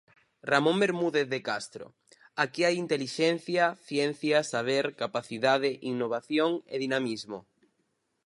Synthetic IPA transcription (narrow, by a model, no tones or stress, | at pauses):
ramõmbeɾmuðeθðekast̪ɾo̰ | akiajint̪eliʃen̟θjaθjɛn̟θjasaβ̞eɾkapaθiðað̞eʔiŋnːoβ̞aθjoŋḛðinamizmo